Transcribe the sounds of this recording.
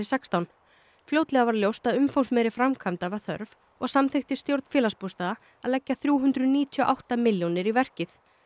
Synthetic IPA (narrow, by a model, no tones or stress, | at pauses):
ɪsɛkst̪awn | flʲowt̪lɛɣavaɾljowst̪aðʏmfownsmɛɾɪfɾamkʰamt̪avaɾθœ̰ɾv | ɔɣsamt̪ʰejht̪ɪ̥st̪jowɾt̪n̥fɛːlaspust̪aːða | aðlɛcːaθɾjuːɦʏnt̪ɾʏðniːt̪ʰiɔʔawht̪amɪljownɪɾivɛr̥cɪθ